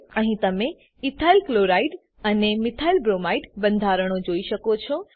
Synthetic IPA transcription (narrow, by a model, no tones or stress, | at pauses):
əɦĩt̪əme | it̪ʰailkloɾaiɖ | ənemit̪ʰailbɾomaiɖbə̃nd̪ʱaɾəɳ̃od͡ʒoiʃəkot͡ʃʰɔ